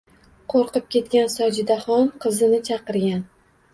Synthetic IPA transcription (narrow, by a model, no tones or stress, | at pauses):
qʰoɾqɨp̚kʲe̞t̪̚kʲansɒd͡ʒɪd̪aχɒnqʰɨzɪnɪt͡ʃʰɑqɨɾɡʲan